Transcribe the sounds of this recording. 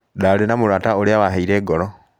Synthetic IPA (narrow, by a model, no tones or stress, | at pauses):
daːlenamuɾwaːtaoɾeaβaɦaiɾeːɡɔɾɔ